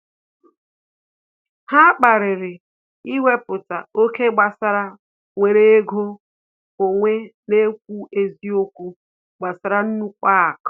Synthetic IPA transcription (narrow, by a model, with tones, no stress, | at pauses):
ha˦k͡pa˨ɾɪ˨ɾɪ˨ | i˦we˦pʊ˨ta˨o˦ke˦ɡ͡ba˨sa˦ɾa˦ | ŋʷe˨ɾe˦ɡo˦ | o˨ŋʷe˦ne˦kʷu˦e˨zi˦o˦kʷu˦ | ɡ͡ba˨sa˨ɾa˦n̩˦nu˦ka˦˨k